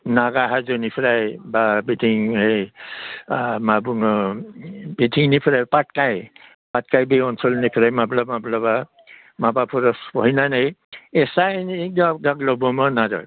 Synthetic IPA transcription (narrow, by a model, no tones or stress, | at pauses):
naɡaɦazɔnipʰɾajbabitʰiŋe | mabuŋɔ | bitʰiŋnipʰiɾajpat̚kaj | pat̚kajbiɔnsɔlnipʰiɾajmablamablaba | mabapʰuɾɔspɔɦinanajɛsajn̚dɔɡaɡlɔbɔmɔnaɾɔ̰